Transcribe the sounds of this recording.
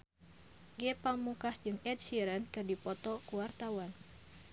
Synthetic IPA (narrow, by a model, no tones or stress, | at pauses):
ɡɛpamukahd͡ʒɨŋɛt̪̚siɾənkɨrdipɔt̪ɔkuwart̪awan